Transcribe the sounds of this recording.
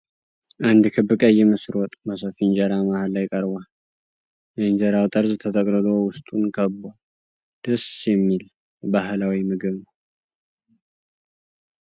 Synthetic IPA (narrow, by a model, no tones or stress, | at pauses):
ʔand̪kʰɨbːɨkʼəjɛmɨsɾwɔt̪ʼməs̬əfind͡ʒaɾamahalajkʼəɾba | jənd͡ʒəɾawt̪ʼəɾzt̪ʰət̪ʰʼəkʼɾɨlowʊst̪ʼunkʰəbːa | d̪̥əsjɛmːil | baɦlawimɨɡɨβnəw